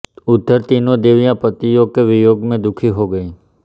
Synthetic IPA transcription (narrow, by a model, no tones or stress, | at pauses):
ʊd̪ʱːəɾt̪inod̪eʋjãpət̪ijokeʋɪjoːɡmẽd̪ʊkʰiɦoɡəi